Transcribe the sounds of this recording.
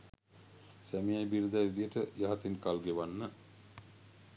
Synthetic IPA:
sæmijajbiɾəd̪æʋid̪ijəʈəjaɦat̪inkalɡeʋanːə

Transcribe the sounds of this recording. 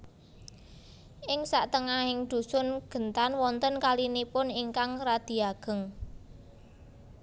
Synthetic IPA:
ʔɪŋsaʔt̪əŋahɪŋd̪̥ṳsʊnɡ̥ə̤nt̪anwɔnt̪ənkalinipʊniŋkaŋrad̪̥i̤aɡ̥ə̤ŋ

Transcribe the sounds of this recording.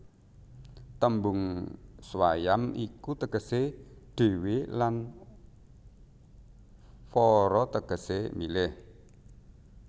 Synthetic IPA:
t̪əmbʊŋswajamikut̪əɡ̥ə̤seɖ̥e̤welan | fɔɾɔt̪əɡ̥ə̤semilɪh

